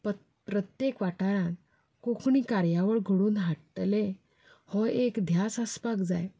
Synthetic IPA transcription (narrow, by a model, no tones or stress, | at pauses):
p | pɾət̪jekʋaʈaɾãn | kokɳiːkaɾjaʋəɭɡʱəɽuːnɦaʈʈle | hɔekd̪ʱjasəspakd͡zaj